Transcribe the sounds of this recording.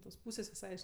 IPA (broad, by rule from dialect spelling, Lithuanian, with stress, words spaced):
toːs ˈpuːsʲeːs ʋʲɪˈsɐɪ ɐʃ